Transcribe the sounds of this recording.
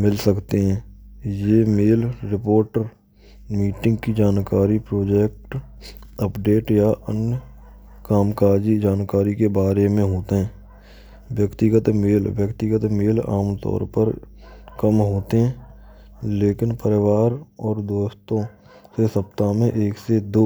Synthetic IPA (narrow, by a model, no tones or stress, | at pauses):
mɪlsəkt̪eɦɛ̃ːjeːmeːlːɪpoːɾʈəɾ | miːʈɪ̃ŋɡ̚kid͡ʒaːnkaːɾipɾoːd͡ʒeːk̚ʈ | əpɖeːʈjaʔənə | kaːmkaːd͡ʒid͡ʒaːnkaːɾikebaːɾemẽɦoːt̪eɦɛ̃ː | ʋjəkt̪ɪɡət̪meːlʋjəkt̪ɪɡət̪meːla̰ːmt̪ɔ̰ːɾpəɾ | kəmɦoːt̪eɦɛ̃ː | leːkɪnpəɾɪwaːɾɔːɾd̪oːst̪õ | sesəp̚t̪amẽʔeːksed̪oː